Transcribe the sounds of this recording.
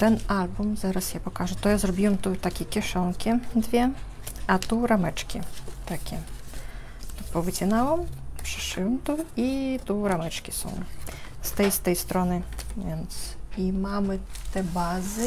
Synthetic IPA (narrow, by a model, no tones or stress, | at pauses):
t̪ɛnalʲbumzaɾɐsjapɔkaʐʊt̪ɔjazɾɔbʲiwɛmt̪ut̪akʲikʲiʂɔnkʲid̪ʋʲɛ | ɐt̪uɾamɛt͡ʂkʲḭt̪akʲi | t̪upɔvɨt͡sʲinawɔmpʂɨ̥ʂɨwɔmt̪uit̪uɾamɛt͡ʂkʲisṵwst̪ɛjst̪ɛjst̪ɾɔnɨvʲɛnsimamɨt̪ɛbazɨ